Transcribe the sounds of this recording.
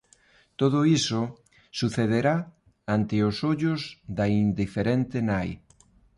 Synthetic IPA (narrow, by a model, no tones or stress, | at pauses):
t̪oðʊiso | suθeð̞eɾa | ant̪ɪosoʎʊzðaind̪ifeɾent̪ɪnaj